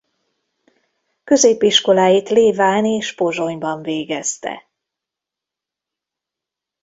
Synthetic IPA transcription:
kø̞zeːpiʃko̞laːjit̪leːvaːnieːʃpo̞ʒo̞ɲbɒɱveːɡɛst̪ɛ̰

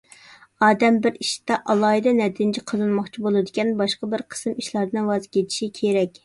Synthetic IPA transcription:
ɑːd̪ɛmbɪɾiʃt̪ɑʔɑlˠɑːɦid̪ɛnɛd̪ʰɪnt͡ʃʰiqʰəzɨnmɑχt͡ʃʰibolˠɨd̪ɪkʲɛnbɑʃqɑbɪɾqʰə̥sɨmiʃlˠɑɾd̪ɨnwɑzkʲʰet̪ʰi̥ʃikʲʰeɾɛkʲ

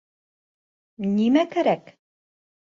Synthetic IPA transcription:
nimækæɾæk

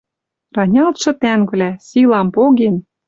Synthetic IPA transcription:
rɑnʲɑlˠt̪ʃɤ̆t̪æŋvvlæsilɑmpoɣen

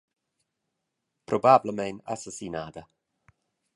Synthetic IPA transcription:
pʰrɔbabləmɛjna̰sasinadə

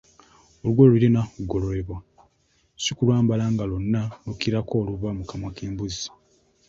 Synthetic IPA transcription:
olɡouiɾenauɡo̞lo̞leβwa | sikulwaːmbalaːŋɡalonːanukiɾako̞ːluβamukamwakʰeːmbuzḁ

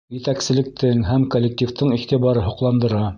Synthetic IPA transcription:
jɘ̆t̪æksɘ̆lɘ̆k̚t̪ʰɘŋɦæmkolʲːek̚t̪ʲift̪ɤɴiχt̪iβɑɾɤɦŏqlˠɑnd̪ɤ̆ɾɑ

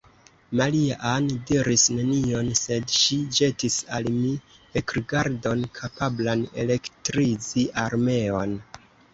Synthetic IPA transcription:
maliaʔandiɾisne̞nio̞nse̞dʃid͡ʒe̞tisalmi | ekɾɡaɾdo̞nkʰapablane̞̰le̞ktɾiziʔaɾme̞o̞n

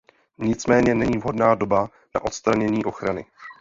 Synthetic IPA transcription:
ɲɪt͡smɛːɲɛnɛɲiːvɦo̞dnaːdo̞ba | na̰ʔo̞t̪st̪ɾaɲɛɲiːʔo̞xɾanɪ̰

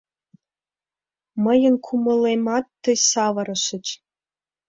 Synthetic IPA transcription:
mɤ̆jɤ̆nkʰumɤ̆lˠemɑt̪ːɤ̆jsɑʋɤ̆ɾɤ̆ʃɘ̆t͡ɕ

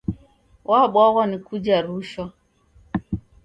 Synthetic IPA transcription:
wʔaɓwaɣanikud͡ʒaɾuʃwa

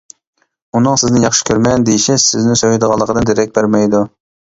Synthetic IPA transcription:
unɨŋsɪznɪnjɑχʃɪ̥kʲʰøɾmɛnd̪ejiʃɛsɪznɪsøjɪd̪əʁɑlˠːəqʰəd̪ɨnd̪eɾɛk̚ʲbæɾmɛjd̪u

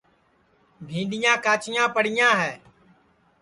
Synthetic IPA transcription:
bʱĩːnɗɪjãːkaːt͡ʃɪjãːpəɽɪjãːɦɛː

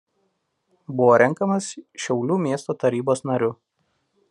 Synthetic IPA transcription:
bʊʋoːɾʲɛŋˑkɐmɐsʃʲɛʊlʲuːmʲiɛst̪oːt̪ɐɾʲiːboːsnɐɾʲʊ

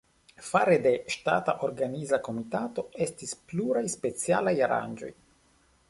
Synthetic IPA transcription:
faɾede̞ʃta̰taʔoɾɡanizako̞mitato̞e̞stispluɾajspe̞t͡sialajaɾa̰nd͡ʒo̞̰j

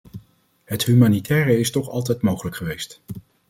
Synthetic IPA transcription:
ɦətɦymaːnitʰɛːrəɪstɔχɑlˠtɛjtmowχələkχəʋejst

